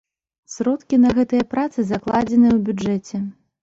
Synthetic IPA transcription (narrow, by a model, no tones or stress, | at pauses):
sʲɾɔt̪kʲinɐɣɛt̪ɨjɐpɾat̪sɨzaklˠad͡zʲɛnɨjɛwbʲud͡ʐɛt͡sʲɛ